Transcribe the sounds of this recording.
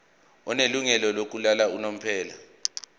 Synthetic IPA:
ɔneluŋɛlɔlok̬ulalaunom̩pʰɛːla

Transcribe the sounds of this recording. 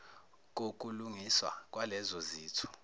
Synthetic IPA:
k̬ok̬ʼuluŋiswa̰k̬ʼwalɛzɔziːtʰu̥

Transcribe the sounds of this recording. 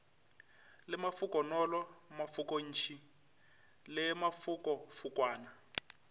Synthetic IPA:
lɪmafukɔnɔlɔmafukon̩ːt͡ʃʰi | lɛmafukɔfukwaːna

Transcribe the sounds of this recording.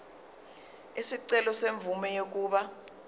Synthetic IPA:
isiǀɛlɔseɱvumɛjek̬ʼuːɓa

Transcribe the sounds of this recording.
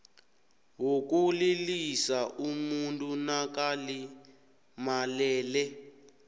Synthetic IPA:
wuk̬ulilisaʔumuntʼunak̬ali | malɛːlɛ

